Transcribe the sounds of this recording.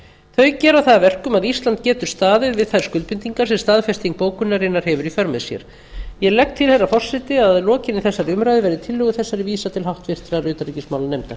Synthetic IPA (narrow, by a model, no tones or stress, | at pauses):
θœɥcɛːɾawθaðavɛr̥kʏmaðist̪lant̪̚cɛːt̪ʏ̥st̪aːðɪðvɪðθaðɾ̥skʏlt̪pʏnt̪iŋkaɾsɛmst̪aːðfɛst̪iŋk̚poːwkʏnːaɾɪnːaɾ̥hɛvʏɾifœɾmɛðsjɛ̰ɾ̥ | jɛlɛk̚t̪ʰːɪlhɛjrːafɔr̥sɪt̪ɪaðlɔːcɪnɪθɛsːaɾɪʏmɾajðɪvɛɾðɪt̪ʰɪlːʏɣʏθɛsːaɾɪviːsat̪ʰɪlɦawht̪vɪr̥t̪ɾaɾʏːt̪aɾricismawlanejmt̪a